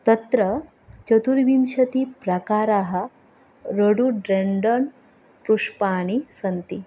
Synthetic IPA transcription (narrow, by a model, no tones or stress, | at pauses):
t̪ɐt̪ɾə | t͡ʃət̪uɾbimɕɐt̪ipɾɐkaɾaɦɐ | ɾəɽuɖɾeɳɖəɳ | pɾuʂpaɽ̃isɐnt̪i